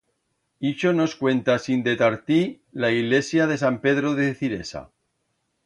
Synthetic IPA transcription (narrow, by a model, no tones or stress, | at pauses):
it͡ʃonoskwẽ̞nt̪asind̪et̪aɾt̪i | laiɣle̞sjað̞e̞sampe̞ðɾoðeθiɾḛsa̰